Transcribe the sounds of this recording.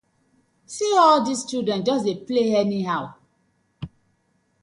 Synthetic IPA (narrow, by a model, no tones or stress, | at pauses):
siɔldistudɛ̃ntd͡ʒɔsdepleɛniɦaʊ